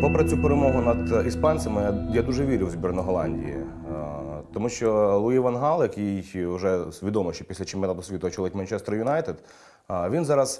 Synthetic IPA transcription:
pɔpɾɐt͡sʲupeɾemɔɦʊnɐd̪ispɑnʲsʲɐmɪjad̪uʒɛʋʲiɾʲɪwzʲbʲirnɔɦɔlˠɑ̰nʲdʲḭjḭ | t̪ɔmuʃt͡ʃɔlˠʊiʋɐnɦɑlˠjɐkijʊʒɛsʋʲid̪ɔmɔʃt͡ʃɔpʲisʲlʲɐt͡ʃɪmɛnˠad̪ɔsʋʲit̪ʊɔt͡ʃʊlˠɪtʲmɐnt͡ʃɛst̪ɾɐjʊnɑjt̪ed̪ | ʋʲinzɑɾɐz̥

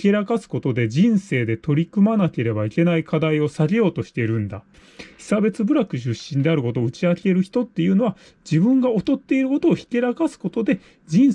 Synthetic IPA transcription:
ke̞ɾakasɨ̥ko̞t̪o̞d̪e̞d͡ʑĩɰ̃se̞ːd̪e̞t̪o̞ɾʲikɯ̟manake̞ɾe̞baike̞naikad̪aio̞saɡʲijo̞ːt̪o̞ɕi̥t̪e̞iɾɯ̟̃nd̪a | çi̥sabe̞t͡sɨbɯ̟ɾakɯ̟ɕɨɕːĩnd̪e̞aɾɯ̟ko̞t̪oːɯ̟t͡ɕiake̞ɾɯ̟çi̥t̪o̞t̪ːe̞jɯ̟ːno̞βa | d͡ʑibɯ̟̃ŋɡao̞t̪o̞t̪ːe̞iɾɯ̟ko̞t̪o̞ːçi̥ke̞ɾakasɨ̥ko̞t̪o̞d̪e̞ | d͡ʑĩɰ̃

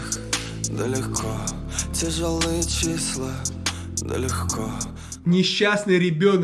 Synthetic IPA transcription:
d̪əlʲɪxkʰɔ | tʲɪʐəlˠɨjət͡ɕislˠə | d̪ə̰lʲɪxkʰo | nʲɪɕːasnɨjɾʲɪbʲon

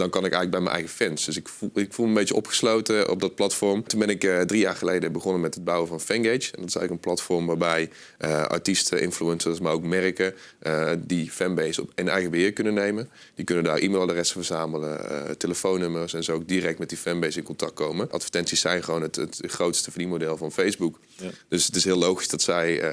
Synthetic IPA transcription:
dɑnkɑnɪkɛjələɡbɛjmɛnʔɛ̰jɣəfɛnsdøsɪkɪkfulˠməmbejtəʔɔpχə̥slowtəʔɔ̰b̚dɑt̚plɑtfɔɹmtunbɛnɪkdrijaːɹχəlejdəbəχɔnəmɛtəd̚bɑwəvɑnfɛnɡet͡ʃɛndɑtɪ̥sɛjɣələkənplɑtfɔɹmʋaːɹbɛj | ʔəʔa̰ɹtistəʔɪ̰nfluɛnsəsmaɹowkmɛrkə | difɛnbejsɔ̰penɛjɣəbəɦɪːɹkɵnənːejmən | d̥ikønəndaːrʔimelˠdərɛstəvəɹzaːmələ̰teləfownːømərsɛnzəok̚dirɛk̚tmɛt̚difɛnbejsɪ̃nkɔntɑk̚tkowməʔɑ̰tfə̥ɹtɛntsisːɛjnχəʋownətətχrowtstəfidimodɛlˠvɑnfejzbuk | d̥øsətɪsɦɪːlowχizdɑtsɛj

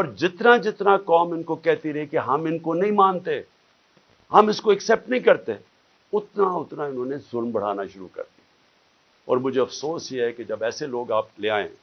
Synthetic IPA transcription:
ɔːɾd͡ʒɪt̪nad͡ʒɪt̪nakɔːmɪnkokɛɦt̪iɾɐɦikeɦɐmɪnkonɐɦĩmãːnt̪e | ɦɐmɪskoɛksɛːp̚ʈnɐɦĩkɐɾt̪e | ʊt̪naʊt̪naɪnɦõːnezʊlmbɐɽ̤a̰ːnaʃʊɾṵkɐ̰ɾd̪iɛ | ɔ̰ːɾmʊd͡ʒʱeɐfsoːsjeɦɛked͡ʒɐbɛːseloːɡaːp̚leaːḛ̃

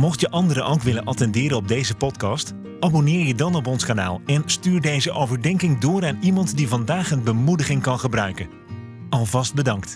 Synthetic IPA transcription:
mɔχtjəʔɑndəɾəʔowkʋɪlənʔɑtɛndɪːɾəɔb̚dejzəpɔtkɑst | ʔaːbonɪːɹjədɑnɔp̬ɔnskaːna̰ːlˠɛnstyːɹdejzəʔowvəɹdɛŋkɪŋdʊːɾaːnimɑntdivɑndaːχənbəmudəχɪŋkɑnχəbrœɥkən | ɑlˠvɑsd̚bədɑŋkt

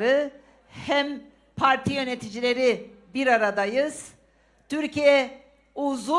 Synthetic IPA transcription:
ɾɯ | hæm | pʰaɾt̪ʰijø̞net̪ʰid͡ʒilʲe̞ɾi | biɾaɾad̪ajɯz̥ | t̪ʰyɾcʰijɛ | uzu

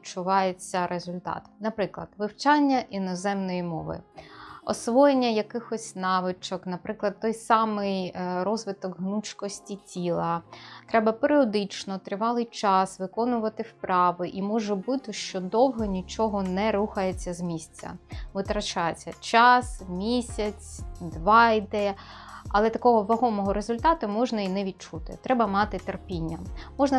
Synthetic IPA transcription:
t͡ʃʊʋɑjet͡sʲːɐɾezʊlʲt̪ɑ̰t̪nɐpɾɪklˠɐd̪ʋɪwt͡ʃɑnʲːɐʔinɔzɛmnɔjimɔʋɪ̰ɔ̰sʋɔjenʲːɐjɐkɪxɔsʲnɑʋɪt͡ʃɔknɐpɾɪklˠɐd̪̚t̪ɔjsɑmɪjɾɔzʋɪt̪ɔɡɦnut͡ʃkɔsʲtʲitʲilˠɐt̪ɾɛbɐpeɾʲiɔd̪ɪt͡ʃnɔt̪ɾɪʋɑlˠɪjt͡ʃɑsʋɪkɔnʊʋɐt̪ɪwpɾɑʋɪʔimɔʒɔbut̪ɪʃt͡ʃɔd̪ɔwɦɔnʲit͡ʃɔɦɔnɛɾuxɐjet͡sʲːɐzmʲisʲt͡sʲːɐ̰ʋɪt̪ɾɐt͡ʃɑjet͡sʲːɐt͡ʃɑsmʲisʲɐt͡sʲd̪ʋɑid̪ɛjɐɐlˠɛt̪ɐkɔɦɔʋɐɦɔmɔɦɔɾezʊlʲt̪ɑt̪ʊmɔʒnɐinɛʋʲid̪̚t͡ʃut̪ɪ̰t̪ɾɛbɐmɑt̪ɪt̪erpʲinʲːɐmɔʒnɐ

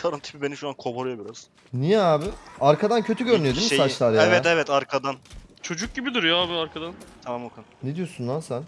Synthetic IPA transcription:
t̪ʰaɾɯant̪ʰɯ̥bibeniʃuaːnkʰoboɾujobiɾaz̥ | nijɛaːbɪaɾkʰad̪ancʰø̞t̪ʰyɟøɾnyjed̪insat͡ʃlˠaɾjeavɛt̪ɛvɛt̪aɾkʰad̪ant͡ʃʰo̞d͡ʒuk̚ɟibid̪iɾjaaːbiaɾkʰad̪ant̪ʰamamokʰanːed̪ijo̞sunːansæn

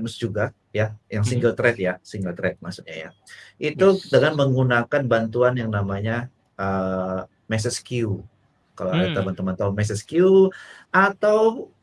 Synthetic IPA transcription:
məsd͡ʒuɡa | jajaŋsiŋɡəlt̪ɾɛt̪̚jasiŋɡəlt̪ɾɛt̪̚masut̪̚ɲaja̰ | ʔit̪udəŋanməŋɡunakanbant̪uanjaŋnamaɲa | ʔə | mɛs̬ɛskiu | kalaaɾat̪abant̪umant̪aumɛs̬ɛskiuat̪aw

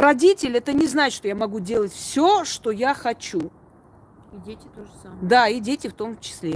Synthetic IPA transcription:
ɾɐdʲitʲɪlʲɛt̪ənʲɪznaɪtʂt̪ojamɐɡudʲe̞lˠətʲfsʲoʂt̪o̞jaxɐt͡ɕu | idʲetʲɪoʐsamd̪aidʲetʲɪft̪o̞mt͡ɕɪ̥sʲlʲe

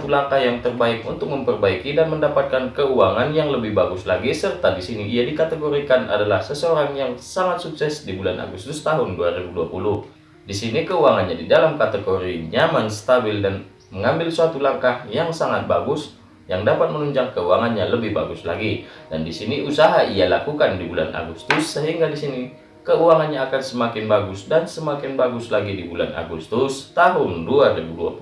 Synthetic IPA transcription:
t̪ulaŋkahjaŋt̪ərbaɪkṵnt̪ʊk̚məmpərbaikidanməndapat̪̚kankəuaŋanjaŋləbɪhbaɡʊslaɡisərt̪adisiniʔiadikat̪əɡoɾikanʔa̰dalahsəsəoɾaŋjaŋsaŋat̪̚suksɛsdibulanʔa̰ɡust̪ʊst̪aɦʊnduaɾibuduapulʊh | disinikəuaŋanɲadidalamkat̪əɡoɾiɲamansə̥t̪abɪldan | məŋambɪlsəat̪ulaŋkahjaŋsaŋat̪̚baɡʊs | jaŋdapat̪̚mənuɲd͡ʒaŋkːəuaŋanɲaləbɪhbaɡʊsla̰ɡidandisiniʔusaɦaʔialakukandibulanʔa̰ɡust̪ʊsːəɦiŋɡadisini | kəuaŋanɲaːkansəmakɪnbaɡʊsdansəmakɪnbaɡʊslaɡidibula̰na̰ɡust̪ʊst̪aɦʊnduaɾibuduapu

